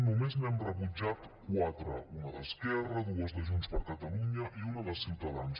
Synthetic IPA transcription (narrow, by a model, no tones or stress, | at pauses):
numeznɛmrəβud͡ʒat̪ | kwat̪ɾə̰unəðə̰skɛrəðuəzðəʒunspəɾkət̪əluɲəʔiunəðəlˠsiwt̪əðans